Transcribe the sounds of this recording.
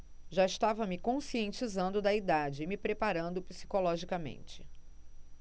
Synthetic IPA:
ʒaɪst̪avɐmɪkõsiẽnt͡ʃizɐ̃nd̪ʊd̪ɐid̪ad͡ʒɪmɪpɾepaɾɐ̃nd̪ʊpisi̥kolɔʒikɐmḛ̃nt͡ʃɪ̥

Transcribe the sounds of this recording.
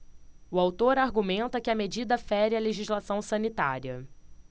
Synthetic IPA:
ʊawt̪oɾaɾɡumẽnt̪ɐkɪɐmed͡ʒid̪ɐfɛɾɪɐleʒizlasɐ̃w̃sɐ̃nit̪a̰ɾiɐ

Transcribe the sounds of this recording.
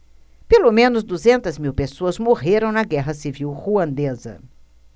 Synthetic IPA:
pelomẽnʊzd̪uzẽnt̪ɐzmiwpesoɐzmoʁeɾɐ̃w̃nɐɡɛɦɐsiviwhuɐ̃nd̪ezɐ̰

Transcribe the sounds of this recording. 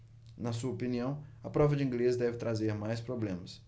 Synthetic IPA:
nɐsuɐopiniɐ̃w̃ɐpɾɔvɐd͡ʒɪĩɡlezd̪ɛvɪt̪ɾazeɾmajspɾoblẽmɐs

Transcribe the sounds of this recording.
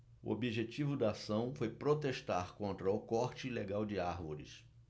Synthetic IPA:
ʊ̰ʔo̰biʒet͡ʃivʊd̪aasɐ̃w̃fojpɾot̪eʃt̪aɾkõnt̪ɾɐʊkɔɾt͡ʃɪileɡawd͡ʒɪaɾvoɾɪ̰s

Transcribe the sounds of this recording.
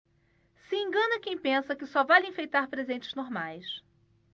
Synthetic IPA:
sɪẽŋɡɐ̃nɐkẽj̃pẽsɐkɪsɔvalĩfejt̪aɾpɾezẽnt͡ʃɪ̥znoɾmajs

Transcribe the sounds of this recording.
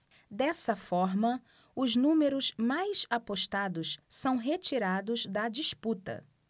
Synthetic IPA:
d̪ɛsɐfɔɾmɐ | ʊznũmeɾʊzmajsapoʃt̪ad̪ʊssɐ̃w̃ɦet͡ʃiɾad̪ʊzd̪ɐd͡ʒisput̪ɐ̰

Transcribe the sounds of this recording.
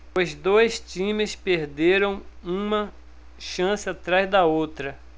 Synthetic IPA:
ozd̪ojst͡ʃĩmɪspeɾd̪eɾɐ̃w̃ũmɐ | ʃɐ̃sɪat̪ɾazd̪ɐowt̪ɾɐ

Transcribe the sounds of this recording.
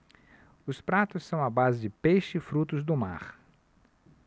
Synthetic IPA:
ʊspɾat̪ʊssːɐ̃w̃ɐbazɪd͡ʒɪpejʃɪːfɾut̪ʊzd̪ʊma̰ɾ

